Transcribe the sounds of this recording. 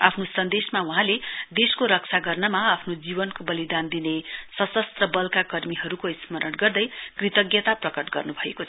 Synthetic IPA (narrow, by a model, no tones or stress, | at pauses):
a̰pʰnosʌnd̪esmauɦãled̪eskoɾʌk̚t͡sʰaɡʌrnʌmaːpʰnod͡zibʌnkobʌlid̪and̪inesʌt͡sʌst̪rʌbʌlkakʌrmiɦʌɾukoismʌɾʔʌnɡʌrd̪ʌjkrit̪ʌɡjʌt̪aprʌkʌʈɡʌrnubʱʌekot͡sʰʌ